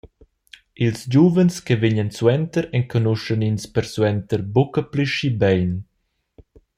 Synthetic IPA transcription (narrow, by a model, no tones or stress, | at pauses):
ilsd͡ʑuvənskeviɲənswɛnt̪əɾɛŋkʰɔnuʃəninspəɾswɛnt̪əɾbukəpliʃibɛjn